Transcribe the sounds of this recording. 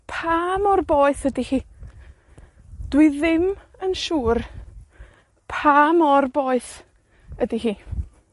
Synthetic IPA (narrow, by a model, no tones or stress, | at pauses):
pʰaːmɔrboːɨθədihiː | d̥wɪðɪm | ənʃuːr | pʰaːmɔrboːɨθ | ədihiː